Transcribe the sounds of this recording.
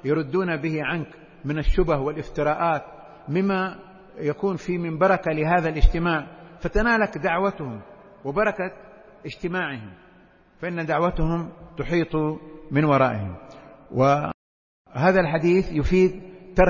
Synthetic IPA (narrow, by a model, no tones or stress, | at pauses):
jɑɾˤʊd̪ːuːnabɪhɪʕank | mɪnaʃːʊbahwɪlʔɪft̪ɪɾaːʔaːt̪̚ | mɪmːa | jakuːnfiːmɪmbɑɾˤɑkalɪɦaːðalʔɪd͡ʒt̪ɪmaːʕfat̪anaːlakd̪aʕwat̪hʊm | wɪbɑɾˤɑka | ʔɪd͡ʒt̪ɪmaːʕɪhɪm | faʔɪnːad̪aʕwat̪hʊmt̪ʊħiːt̪ˤumɪnwɑɾˤɑːʔɪhɪ̰mwɪ | haːðalħad̪iːθjʊfiːd̪̚t̪ːɑɾˤ